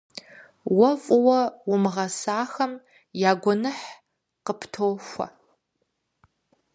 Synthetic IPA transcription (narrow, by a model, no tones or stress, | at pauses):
wɐfʼʊwɐwʊmʁɐsaːxɐm | jaːɡʷɔnɨħ | qəpʰtʰowxʷɐ̰